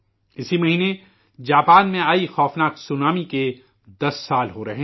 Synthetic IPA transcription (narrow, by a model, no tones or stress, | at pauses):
ɪsimɐɦiːne | d͡ʒaːpaːnmẽaːixɔːfnaːksʊnaːmike | d̪ɐsːaːlɦoɾɐɦe